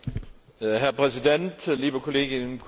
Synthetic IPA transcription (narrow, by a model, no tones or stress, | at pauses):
ɦæɐpʰʁɛsid̥en̰d̥liːb̥əkʰo̝le̝ɡ̥innkʰ